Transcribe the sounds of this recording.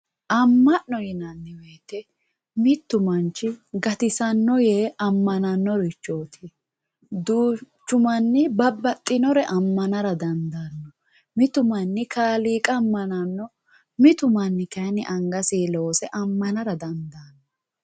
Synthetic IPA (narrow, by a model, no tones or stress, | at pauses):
ʔɐmːɐnːɔjɪnɐnːɪweːt̪ːɛ | mɪt̪ːʊmɐnt͡ʃːɪɡɐt̪ɪsɐnːɔjeɐmːɐnɐnːɔɾɛt͡ʃːoːt̪ʰi | d̪uːt͡ʃːʊmɐnːɪbɐbːɐt̪ʼːɪnɔɾɛʔɐmːɐnɐɾɐd̪ɐnd̪ɐnːɔ | mɪt̪ʊmɐnːɪkaːliːkʼɐːmːɐnɐnːɔ | mɪt̪ʊmɐnːɪkɐnɪʔɐŋɡɐsiːloːsɛʔɐmːɐnɐɾɐd̪ɐnd̪ɐnːɔ